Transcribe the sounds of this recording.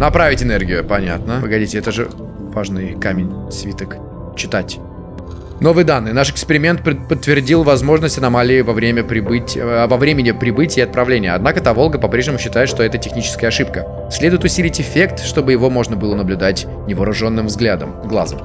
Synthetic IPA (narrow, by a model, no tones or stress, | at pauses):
nɐpɾavʲɪtʲɪnerɡʲɪjʊpɐnʲa̰t̪nəvɨɡɐdʲitʲɪɛt̪əʐɨ | vaʐnɨjkamʲɪnʲsvʲit̪ək | t͡ɕːɪt̪atʲ | no̞vɨjd̪anːɨjnaʂɪkspʲɪɾʲɪmʲe̞nt̪ppət̪ːvʲɪrdʲilˠvɐzmo̞ʐnəsʲtʲɐnɐmalʲɪːvɐvɾʲemʲəpɾʲɪbɨtʲvɐvɾʲemʲɪnʲɪpɾʲɪbɨtʲɪːɐt̪̚pɾɐvlʲenʲɪjəɐd̪nakət̪avo̞lˠɡəpɐpɾʲeʐnʲɪmʊɕːɪt̪ajɪt̪ʂt̪oɛt̪ətʲɪxnʲit͡ɕɪ̥skəjəɐʂɨpkə | sʲlʲe̞d̪ʊjɪt̪ʊsʲilʲɪtʲɪfʲe̞k̚t̪ʂt̪o̞bɨjɪvo̞mo̞ʐnəbɨlˠənəblʲʊd̪atʲ | nʲɪvəɾʊʐo̞nːɨmvzɡlʲad̪ə̰mɡlˠa̰zəm